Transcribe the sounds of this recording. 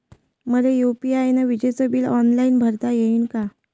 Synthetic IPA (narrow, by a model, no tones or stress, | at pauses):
məlejupiajnaʋid͡ʑesəbiːlɔnlainbʱəɾt̪ajeinka